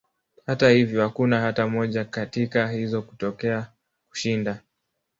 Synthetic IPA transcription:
hatahivjɔhakunahatamɔʄakatikahizɔku̥tɔkɛa | ku̥ʃinda

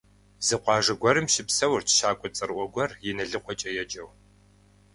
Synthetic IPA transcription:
zɨqʷɑːʐɐɡʷɐɾɨmʃɪpsɐwrt͡ʃʰʃaːkʷʼɔt͡sʼɨɾʔʷɔɡʷɔrjɛnɐɮɨqʷɔt͡ʃʼɐjɛd͡ʒʼɐw

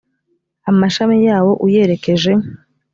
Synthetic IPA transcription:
amaʃamijaːwo̞ʔuje̞ɾe̞ke̞ʒe̞

